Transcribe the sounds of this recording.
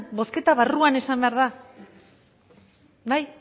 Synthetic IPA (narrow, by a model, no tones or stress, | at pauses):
bo̞ske̞t̪aβaruane̞sambe̞aɾða | baj